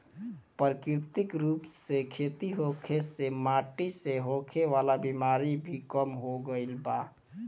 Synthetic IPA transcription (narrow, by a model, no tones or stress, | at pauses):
pɾəkɾt̪ɪkɾuːpsekʰet̪iɦokʰesemaʈiseɦokʰeʋalabimaɾibʱikəmɦoɡəɪlba